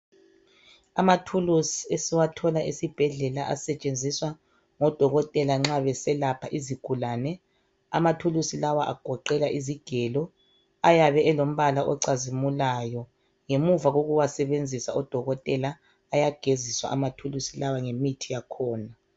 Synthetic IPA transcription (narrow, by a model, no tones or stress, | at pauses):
amatʰulusiesiwatʰɔlaʔisib̥ʱɛɮɛlaʔa̰sɛt͡ʃʼend͡zʱiswa | ŋɔd̥ʱɔɣɔtʼɛlaŋ͡ǁaβɛsɛlapʰaʔiziɡ̥ʱulaːnɛ | a̰matʰulusilawaʔa̰ɡ̥ʱɔǃɛlaʔiziɡ̥ʱɛlɔ | ajaβɛɛlom̩βalaʔɔǀazimulajɔ | ŋemuvaɣoɣuwasɛβend͡zʱisaɔd̥ʱɔɣɔtʼɛlaː | jaɡ̥ʱeziswa̰ʔamatʰulusilawaŋemitʰijakʰɔːna